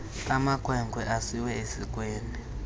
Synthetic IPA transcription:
amakʰʼwɛŋɡʱwɛʔasiwɛesikʼweːni

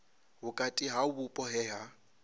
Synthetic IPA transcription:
ɦʊkʼatʼiɦabupʼɔɦɛɦa

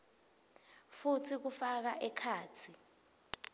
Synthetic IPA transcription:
futʰik̬ufak̬aʔɛkʰaːt͡sʰi

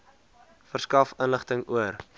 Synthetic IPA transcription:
fərskɐfənləχtəŋuər

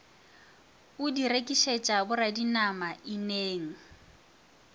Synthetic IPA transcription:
ʊdirekʼiʃet͡ʃʼabʊradinamaɪneːŋ̩

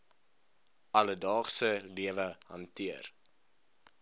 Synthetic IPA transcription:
ɐlədɑːχsəliəvəhɐntiər

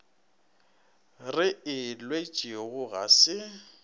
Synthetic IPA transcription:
rɪɪlwet͡ʃʼiɣʊɣa̰sɪ

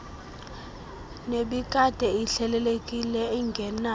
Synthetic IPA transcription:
neɓikʼad̥ʱɛiɬɛlɛlekʼilɛiŋɡʱɛna

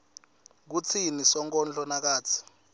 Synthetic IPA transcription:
k̬ut͡sʰinisɔŋk̬ʼɔnd͡ɮʼɔnak̬aːt͡sʰi̥

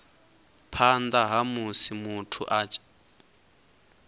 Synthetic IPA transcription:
pʰand̪aɦamusimutʰuʔat͡ʃʼ

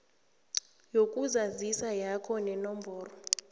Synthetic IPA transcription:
jokʼuzazisajakʰɔnɛnɔmbʱɔːrɔ

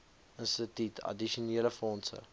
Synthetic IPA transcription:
ənstətytʰɐ̰diʃuniːələfɔːnsə̰

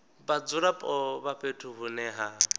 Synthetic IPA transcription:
bad͡zʊɾapʼɔbaɸetʰuɦʊnɛɦa

